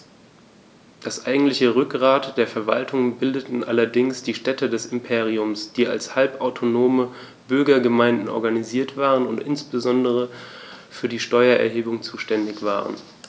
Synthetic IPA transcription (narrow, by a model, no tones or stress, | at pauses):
d̥asʔaɪɡŋ̩tlɪçəʁʏkʁaːtd̥eːɐfɛɐva̰ltʰʊŋbɪldətn̩ʔalɐdɪŋsd̥iːʃtɛtədɛsɪmpʰeːʁ̞iʊmsd̥iːa̰lshalpʔaʊtʰonoːmə | b̥ʏɐɡɐɡəmaɪ̃ndn̩ʔɔɐɡaniziːɐtv̥aːʁənʊntʔɪ̰nsb̥əzɔndəʁ̞əfyːɐdiːʃtɔʏɐʔɛ̰ɐɦeːbʊŋt͡suːʃtɛndɪçv̥a̰ːʁə̰n